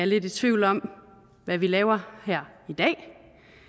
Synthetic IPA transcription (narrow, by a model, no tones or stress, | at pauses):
æɐle̝d̥it͡sʰʋiʊ̰lɒ̽m | ʋæʋilɛːʊɐhɛɐ̰id̥ɛ̰ː